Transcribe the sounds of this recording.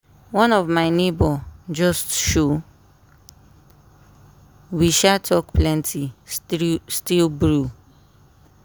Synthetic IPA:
wɔ̃nɔvmaɪnebɔd͡ʒɔstʃo | wiʃatʰɔkplɛ̃ntʰi | stilbɹu

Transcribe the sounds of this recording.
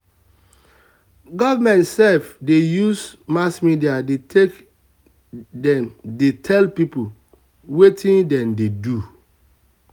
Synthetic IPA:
ɡɔvamɛ̃ntsɛfdejusmasmidiadetek | dɛmdetʰɛlpipol | wetʰĩndɛ̃mdedu

